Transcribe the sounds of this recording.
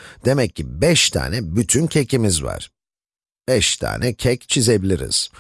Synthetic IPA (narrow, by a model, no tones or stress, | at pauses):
d̪̥e̞mɛcʰːibɛʃt̪ʰa̰ːnɛbyt̪ʰyncʰecʰimizva̰ɾ̥ | b̥ɛʃt̪ʰa̰ːnʔɛcʰɛct͡ʃʰize̞bilʲiɾḭz̥